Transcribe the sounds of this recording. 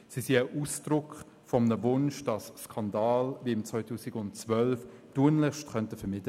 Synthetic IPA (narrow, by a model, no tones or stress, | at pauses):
sisiəʔuːsd̥ɾʊk | fɔmnəvʊnʃd̥ɑsskʰɑndɑːlviɪmt͡svɔɪtʰuːsɪɡʊntt͡svœlf | d̥uːənlɪχʃtχœntəfɛmɪtə